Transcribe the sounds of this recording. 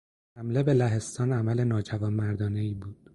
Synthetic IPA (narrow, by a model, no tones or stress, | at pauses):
hæmle̞be̞læɦe̞st̪ɒːnæmæle̞nɒːd͡ʒævɒːnmæɾd̪ɒːne̞iːbuːd̪̥